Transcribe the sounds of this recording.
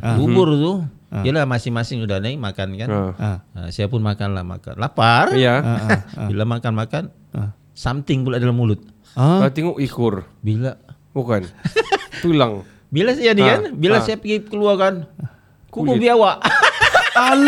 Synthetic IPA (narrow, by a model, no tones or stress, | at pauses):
bubʊrt̪ʊ | d͡ʒalamasɪŋmasɪŋudanaimakankanə̰sajapʊnmakanla̰hma̰ka̰nlaparija | bilamakanmakan | samt̪ɪŋpulaːdalahmulʊt̪̚ | at̪iŋuʔikʊr | bila | bukant̪ulaŋ | bilasajanikanbilasajapəɡikəluarkan | kukubiawaʔ | al